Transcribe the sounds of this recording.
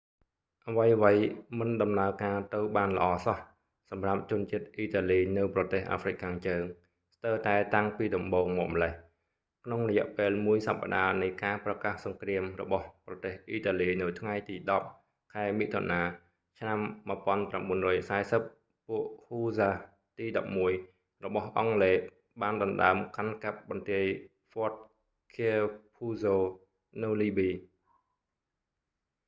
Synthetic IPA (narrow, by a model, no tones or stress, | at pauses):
ʔaʋəjəʋəjmɨnɗɑmnaəkaːt̪ɨwɓaːnlə̆ʔɑːsɑh | sɑmrap̚t͡ɕʊ̆ənt͡ɕiət̪̚ʔiːt̪aːliːnɨwprɑt̪eːhʔa̰ːfrɨc̚kʰaːŋt͡ɕəːŋ | st̪əwt̪aɛt̪aŋpiːɗɑmɓoːŋmɔːk̚məlɛh | kʰnoŋrɔjɛ̆ʔpeːlmuəjsapːa̰ɗaːnɨjkaːprɑkaːhsɑŋkriəmrɔ̰ɓɑhprɑt̪eːhʔiːt̪aːliːnɨwt̪ʰŋajt̪iːɗɑp̚ | kʰaɛmiʔt̪ʰo̰naː | t͡ɕʰnamːɨəpŏənpramɓuənrɔːjsaɛsəp̚ | pːuəʔhuːzaː | t̪iːɗɑp̚muəj | rɔɓɑhʔɑŋleː | ɓaːnɗɑnɗa̰əmkankap̚ɓɑnt̪iəj | fɔət̪̚ | kʰiəpʰuːsoː | nɨwliːɓiː